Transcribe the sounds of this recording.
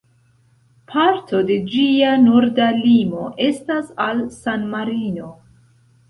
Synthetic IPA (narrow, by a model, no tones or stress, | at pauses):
pʰaɾto̞de̞d͡ʒianoɾdalimo̞ʔe̞stasalsanmaɾino̞